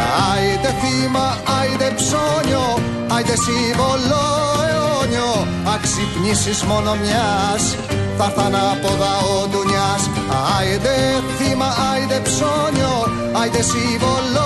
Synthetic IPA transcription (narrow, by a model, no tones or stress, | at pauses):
ajd̪eθima | ajðepsoɲo | ajd̪esiβoloeoɲo | aksipɲisismonomjas | θaθanapoðaod̪uɲas | aajd̪eθimaajðepsoɲo | ajd̪esiβol